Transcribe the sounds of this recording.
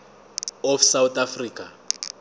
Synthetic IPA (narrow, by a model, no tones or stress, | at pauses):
ɔfsawut̪afriːkʼa